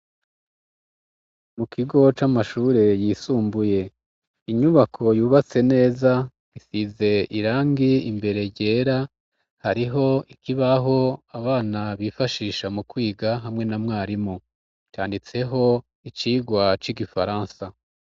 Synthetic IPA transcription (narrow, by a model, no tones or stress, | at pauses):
mukʰiɡo̞t͡ʃamaʃuːɾe̞jiːsuːmbuje̞ | iɲuβakʰo̞juːβat͡se̞ne̞ːza | ɡisize̞iɾaːŋɡiimbe̞ɾe̞ɟe̞ːɾa | haɾiɦo̞ikiβaɦo̞aβaːnaβiːfaʃiːʃamukwiːɡaɦamŋe̞namŋaːɾimo | t͡ʃaːndit͡se̞ɦo̞ | it͡ʃiːɡwat͡ʃiɡifaɾaːnsa